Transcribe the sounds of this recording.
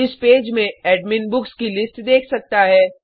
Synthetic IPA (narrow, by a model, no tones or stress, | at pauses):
ɪspeːd͡ʒmẽɛːɖmɪnbʊkskilɪsʈd̪eːkʰsɐk̚t̪aɦɛː